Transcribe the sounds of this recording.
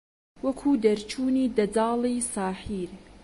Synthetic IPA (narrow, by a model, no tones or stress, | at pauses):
wɐkʰuːd̪ɐɾt͡ʃʰuːniːd̪ɐd͡zɑːlˠisɑːħiːɾ